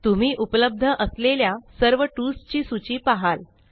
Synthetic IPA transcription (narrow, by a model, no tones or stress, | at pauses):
t̪um̤iːʔupləb̚d̪ʱəʔəsleljasəɾʋəʈust͡ɕiːsut͡ɕiːpaɦal